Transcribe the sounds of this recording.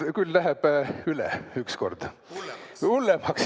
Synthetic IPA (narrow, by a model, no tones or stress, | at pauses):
kylːæɦɛb̥ylɛ̰yksko̞̰rd̪̥ | ulːemɑks